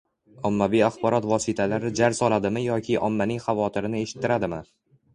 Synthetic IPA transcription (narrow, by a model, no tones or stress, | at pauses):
ɒmːavijaχbɒɾɒt̪vɒsɪt̪ʰalaɾɪd͡ʒaɾsɒlˠad̪ɪmɪjɒkʲʰɪʔɒ̰mːanɪŋχavɒt̪ʰɪɾɪnɪe̞ʃɪ̥t̪ːɪɾad̪ɪmɪ